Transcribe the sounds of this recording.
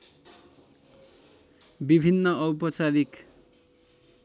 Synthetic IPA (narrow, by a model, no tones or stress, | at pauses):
bibʱinːʌʌwpʌt͡saɾik